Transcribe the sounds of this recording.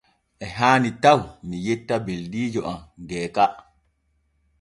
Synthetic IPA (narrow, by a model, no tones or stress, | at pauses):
ʔɛɦaːnitawmijɛtːabeldiːd͡ʒɔʔamɡɛːka